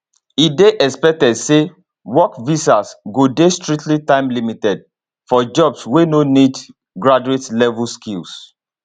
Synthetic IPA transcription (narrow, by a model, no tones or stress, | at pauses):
ideʔɛkspɛk̚tɛdse | wɔkvisasɡodestɹik̚tlitãɪ̃mlimitɛd̚ | fɔd͡ʒɔbswenonid | ɡɹad͡ʒuetlɛvlskils